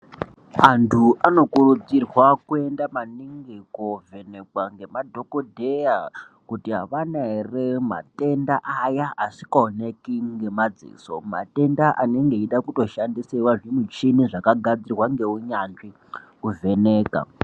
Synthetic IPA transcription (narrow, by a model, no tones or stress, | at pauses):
antʰuʔano̞kurud͡zirwakue̞ndamaniŋɡeko̞ve̞ne̞kwaŋɡe̞madʱo̞kodʱeja | kutiɦa̰ʋanaerema̰te̞ndaʔːjaasi̥kaonekiŋɡe̞mad͡zḭːso̞̰ma̰te̞ndaʔane̞ŋɡe̞iɗakuto̞ʃandisewaʐimut͡ʃiniʐakaɡʱad͡zirwaŋɡe̞uɲanʐi | kuve̞ne̞ːka̰